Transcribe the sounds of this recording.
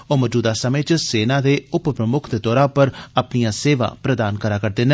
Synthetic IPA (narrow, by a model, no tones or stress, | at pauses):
oːməd͡ʒuːd̪aːsəmẽːt͡ʃəseːnãːd̪eːʊppɾəmʊkʰd̪eːt̪ɔːɾãːpəɾəpnijãːseːʋa̰ːpɾəd̪aːnkəɾaːkəɾd̪eːn